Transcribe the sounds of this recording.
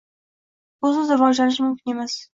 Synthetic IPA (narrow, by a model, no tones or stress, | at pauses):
ʊzɪzɪɾvɒd͡ʒlanɪʃ̬mʊmkʲʰɪne̞maz̥